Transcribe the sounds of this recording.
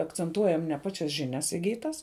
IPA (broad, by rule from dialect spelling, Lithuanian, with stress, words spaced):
ɐkt͡sʲɛnˈtuɔjɛm nʲɛ ˈpɑːt͡ʃʲɛs ʒʲɪˈnʲɛs ɪˈɡʲiːtɐs